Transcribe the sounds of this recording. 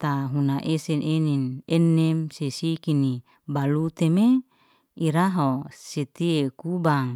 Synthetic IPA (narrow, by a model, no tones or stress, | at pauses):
t̪aɦunaʔesenʔeninenːemsesikini | balut̪eme | iɾaɦoset̪iekubaŋ